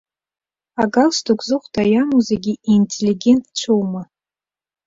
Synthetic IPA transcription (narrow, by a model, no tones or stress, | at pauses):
aɡalstʰukʷʰʼzɨχʷtʰajamuzeɡʲiʔintʰʲʼelʲiɡʲe̞ntʰt͡ʃʷʰowma